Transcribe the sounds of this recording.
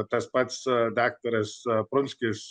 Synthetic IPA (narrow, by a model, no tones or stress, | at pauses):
t̪ɐspat̪sd̪aːk̚t̪ɐɾɐspɾʊnʲsʲkʲis